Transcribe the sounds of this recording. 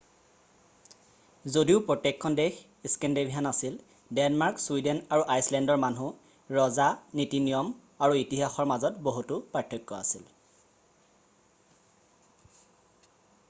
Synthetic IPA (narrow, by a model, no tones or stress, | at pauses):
zodiʊpɹɔtekʰːɔndex | iskɛndebʱiɦanasil | dɛnmaɹkswidɛnaɹuʔajslɛndɔɹmanu | ɹɔzanitinijɔm | aɹuitiɦaxɔɹmazɔtboɦutupɹatʰjɔjkːɔa̰sil